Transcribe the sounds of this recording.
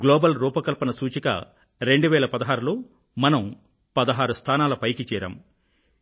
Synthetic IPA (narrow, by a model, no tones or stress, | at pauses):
ɡloːbɐlɾuːpɐkɐlpɐnɐsuːt͡ʃikɐ̰ | ɾe̞ɳɖuʋɛːlɐpɐd̪ɐɦaːɾuloː | mɐnɐm | pɐd̪ɐɦaːɾust̪ʰaːnaːlɐpɐjkit͡ʃɛːɾɐ̰m